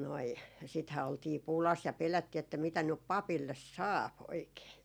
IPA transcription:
noi sithæː oltiː pulɑs jɑ pelætːiː etːæ mitæ nyp pɑpilːes sɑːp oikeː

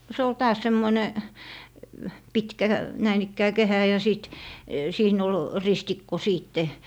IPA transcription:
no se ol tɑːs semːone pitkæ næin ikːæː kehæ jɑ siˑt siːn ol ristikːo siːtːe

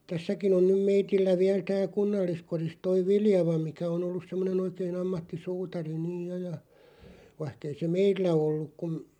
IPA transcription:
tæsːækin on nym meitilːæ ʋiæl tæːl̞ kunːɑlːiskoris toi ʋiljɑʋɑ mikæ on olːus semːonen oikeːn ɑmːɑtːisuːtɑri niːj jo jɑ ʋɑĭhk ei se meilːæ olːuk̆ kum

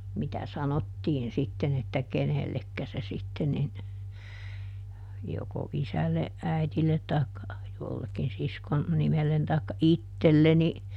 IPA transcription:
mitæ sɑnotːiːn sitːen etːæ kenelːekːæ se sitːen nin joko isælːeʔ ʔæitilːet tɑikːɑ jolːekːin siskon nimelːen tɑikːɑ itːelːeni

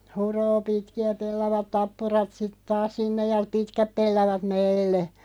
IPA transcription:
huroː pitkiæ pelːɑʋɑt tɑpːurɑt sit tɑːs sinːej jɑ pitkæp pelːɑʋɑt meilːe

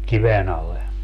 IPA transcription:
kiʋen ɑlˑe

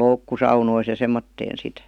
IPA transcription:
sɑunois jɑ semːotːeːn̞ sit

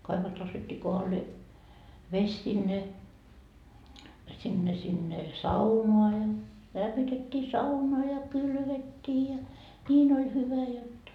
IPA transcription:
kɑiʋost nostetːiː kohɑlːeː ʋes sinːe sinːe sinːe sɑunoɑ jɑ læmːitetʲːiː sɑunɑ jɑ kylʋetʲːiː jɑ nʲiːn olʲ hyʋæ jotːɑ

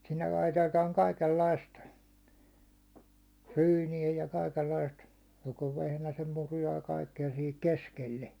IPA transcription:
sinːel lɑitetɑːŋ kɑikelːɑist ryːniæ jɑ kɑikelːɑist joko ʋehnæsem murujɑ jɑ kɑikːeɑ sihik koskelːe

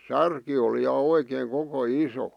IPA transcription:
særki oli jɑ oikeːŋ koko iso

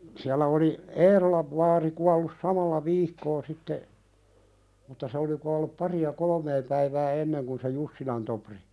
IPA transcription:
siælːæ oli eːrolɑʋ ʋɑːri kuɑlːus sɑmɑlːɑ ʋiːkːoː sitːe mutːɑ se oli kuɑlːup pɑriɑ kolŏmeː pæiʋæː enːeŋ kun se jusːilɑn topri

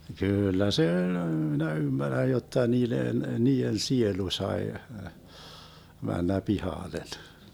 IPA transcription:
kyːlːæ se ølʲ minæ ymːærːæj jotːɑ niːlen niːen sielu sɑe mænːæ pihɑˑlen

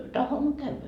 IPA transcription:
tɑhomːo kæyʋæ

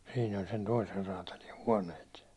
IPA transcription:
siːn olʲ sen toiser rɑːtɑli huɒnˑeːt

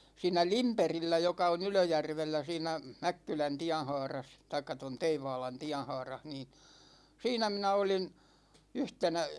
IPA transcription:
siːnæ limperilːæ jokɑ on yløjærʋelːæ siːnæ mækːylæn tiæn̞hɑːrɑs tɑikːɑ ton teiʋɑːlɑn tiæn̞hɑːrɑh niːn siːnæ minæ olin yhtenæ

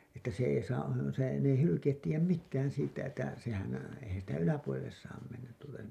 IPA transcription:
etːæ se ei sɑː se n ei hylykeːt tiːjæm mitːæːn siːtːæ etːæ sehæn eihæn sitæ ylæpuolelːes sɑːm menːæt tuːltɑ se

